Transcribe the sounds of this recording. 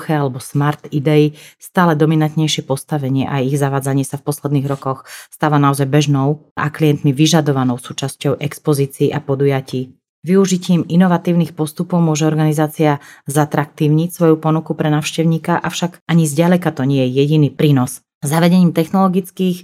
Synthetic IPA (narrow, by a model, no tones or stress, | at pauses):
xɛalɛbɔsmaɾt̪id̪ɛist̪aːlɛd̪ɔminant̪ɲɛjʃɪɛpɔst̪aʋɛɲɪɛʔajiɣzaʋaːd͡zaɲɪɛsafpɔslɛd̪niːɣɾɔkɔxst̪aːʋanaɔzajbɛʒnɔʊ | ʔa̰klijɛnt̪miʋiʒad̪ɔʋanɔʊsuːt͡ʃascɔʊʔɛkspɔziːt͡siːʔapɔd̪ujaciː | ʋiuʒiciːminɔʋat̪iːʊniːxpɔst̪upɔʊmʊɔʒɛɔɾɡanizaːt͡siazat̪ɾak̚t̪iːʊɲicsʋɔjupɔnukupɾɛnaːʊʃcɛʊɲiːkaʔafʃaɡaɲizɟalɛkat̪ɔɲɪɛjɛjɛɟinipɾiːnɔs | zaʋɛɟɛɲiːmt̪ɛxnɔlɔɡit͡skiːx